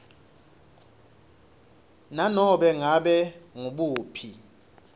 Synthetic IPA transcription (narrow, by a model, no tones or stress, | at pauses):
nanɔɓɛŋaɓɛŋuɓuːpʰi